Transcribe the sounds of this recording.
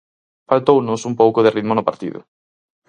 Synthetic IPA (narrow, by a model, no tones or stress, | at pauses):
falt̪ownʊsumpowkʊðɪriðmʊnʊpaɾt̪ḭðʊ̰